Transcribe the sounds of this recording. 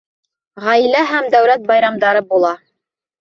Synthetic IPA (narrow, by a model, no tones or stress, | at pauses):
ʁɑjlæɦæmd̪æwlæt̪̚bɑjɾɑmd̪ɑɾɤbulˠɑ